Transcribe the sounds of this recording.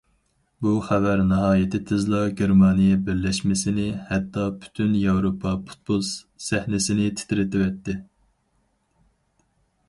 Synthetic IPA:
buχɛvæɾnɨɦɑːjɪt̪ʰɪt̪ʰɪzlˠɑɡʲeɾmɑːnijɛbɪɾlɛʃmɪsɪnɪhɛt̪ːɑpʰy̥t̪ʰynjɑwɾopʰɑpʰu̥t̪̚bulˠs | sɛhnɪsɪnɪt̪ʰɪ̥t̪ʰɪɾɪt̪ɪvɛt̪ʰːɪ

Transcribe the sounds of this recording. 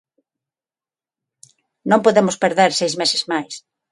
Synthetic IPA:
nõmpoðemʊspeɾðeɾsejzmesɪzmajs

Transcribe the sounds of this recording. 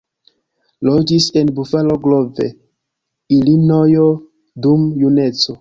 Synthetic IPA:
lod͡ʒise̞nbufaloɡlo̞vḛ | ilinojo | dumjune̞t͡so̞

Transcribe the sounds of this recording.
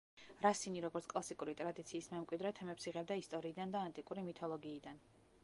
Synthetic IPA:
ɾasiniɾɔɡɔɾt̪skʼlˠasikʼuɾit̪ʼɾad̪it̪sʰiːsmɛmkʼwid̪ɾɛt̪ʰɛmɛpsiʁɛb̚d̪aist̪ʼɔɾiːd̪and̪aːnt̪ʼikʼuɾimit̪ʰɔlˠɔɡiːd̪an

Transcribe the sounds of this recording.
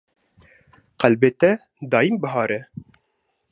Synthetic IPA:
qælbet̪ɛ | d̪ɑːjimbəɦɑːɾɛ

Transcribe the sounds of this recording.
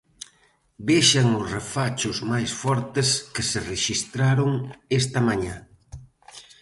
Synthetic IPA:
beʃaŋʊsrefat͡ʃʊzmajsfɔɾt̪ɪskɪsereʃist̪ɾaɾʊŋest̪ɐmaɲa

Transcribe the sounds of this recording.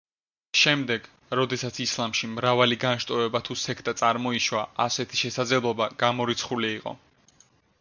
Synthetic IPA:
ʃɛmd̪ɛɡ | ɾɔd̪ɛsat̪sʰislˠamʃimɾavaliɡanʃt̪ʼɔɾɛbat̪ʰusɛkʰt̪ʼat̪sʼaɾmɔiʃwaʔasɛt̪ʰi̥ʃɛsad̪zlɛblˠɔbaɡ̥amɔɾit̪sʰχuliːqʼɔ̰

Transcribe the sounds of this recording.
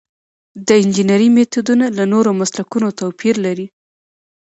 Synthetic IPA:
d̪əɪnd͡ʒinaɾimet̪ud̪unalanoɾomaslakunot̪awpʰiɾlaɾi

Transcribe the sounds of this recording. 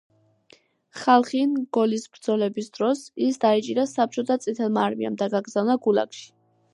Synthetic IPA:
χalˠχinɡ̥ɔlisbɾd̪zɔlɛbisd̪̥ɾɔsisd̪ait͡ʃʼiɾasap̚ʰt͡ʃʰɔt̪ʰat̪sʼit̪ʰɛlˠmaːɾmḭa̰md̪aɡaɡɾzavnaɡula̰kʃi̥

